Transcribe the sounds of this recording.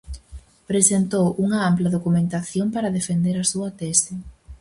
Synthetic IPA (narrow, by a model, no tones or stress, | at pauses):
pɾesent̪owʔuŋɐamplɐðokumẽnt̪aθjompaɾɐðefend̪eɾɐsuɐt̪esɪ